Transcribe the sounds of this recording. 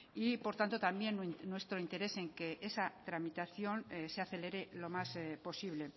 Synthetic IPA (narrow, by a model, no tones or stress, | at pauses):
ipo̞ɾt̪ant̪o̞t̪ambje̞nnwe̞st̪ɾo̞int̪e̞ɾe̞se̞ŋke̞ʔesat̪ɾamit̪aθjo̞nseaθe̞le̞ɾelo̞maspo̞siβle̞